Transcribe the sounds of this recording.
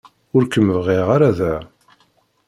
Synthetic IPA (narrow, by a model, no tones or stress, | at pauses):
ʊɾkəmːəvʁiʁaɾaðæ